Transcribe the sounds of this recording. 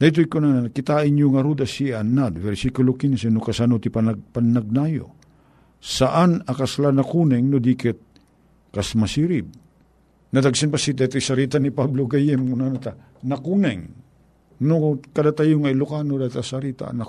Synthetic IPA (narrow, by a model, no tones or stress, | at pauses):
d̪ajt̪̬oikʊnanakɪt̪aɪɲjʊŋɐɾud̪asianːad̪vɛɾsikʊlokinsɛnokasanot̪ipanapanːaɡ̚najo̰ | saʔanakaslanakunɛŋnod̪ikɛt̪̚ | kasmasiɾib̚ | nad̪aɡsanpasid̪ajt̪ʊjsaɾit̪anipabloɡajɛmkʊnanat̪a | nakunɛŋ | nokadat̪ajʊŋajlʊkanod̪at̪asaɾit̪a̰na